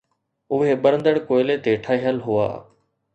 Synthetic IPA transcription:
ʊɦebəɾə̃nd̪əɽkoːɪlet̪eːʈʰaːɦijəlɦʊa̰ː

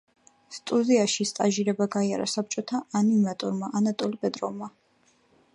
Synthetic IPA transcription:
st̪ʼuziaʃist̪ʼaʒiɾɛbaɡaia̰ɾa̰sap̚t͡ʃʼɔt̪ʰaanimat̪ʼɔɾmaʔanat̪ʼɔlipʼɛd̪ɾɔvma

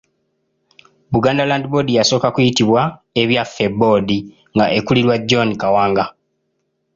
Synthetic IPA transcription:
buɡaːndalandibo̞dijaso̞ːkakujitiβwae̞βjafe̞bo̞ːdi | ŋɡaʔe̞kuliɾwaɟːo̞nikawaːŋɡa

